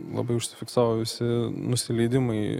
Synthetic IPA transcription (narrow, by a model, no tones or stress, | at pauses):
lˠɐ̰bɐɪʊʃʲsʲɪfʲɪksɑːʋoʋʲɪsʲɪnʊsʲɪlʲɛɪd̪ʲɪmɐɪ